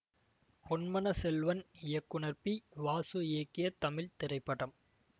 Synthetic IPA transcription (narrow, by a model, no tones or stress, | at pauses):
hɔnmɐnɐsɛlʋɐnɪjɐkːʊɳɐɾpiʋaːsueːkːɪjɐt̪ɐmɪlt̪ɪɾɐɪpːɐɽɐm